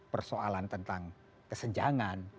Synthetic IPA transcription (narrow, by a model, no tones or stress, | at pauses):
pərsoalant̪ənt̪aŋ | kəsəɲd͡ʒaŋan